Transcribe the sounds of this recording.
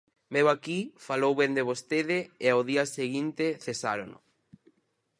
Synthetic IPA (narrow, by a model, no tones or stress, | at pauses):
mewakifalowβẽnd̪eβ̞ost̪eðɪːaoðiaseɣint̪eθesaɾonʊ̰